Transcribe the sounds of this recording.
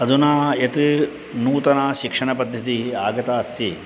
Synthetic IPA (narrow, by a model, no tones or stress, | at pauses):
ɐd̪unaːet̪i | nuːt̪ɐnaːʃikʂɐɳɐpɐd̪ʱjɐt̪iaːɡɐt̪aːst̪ʰi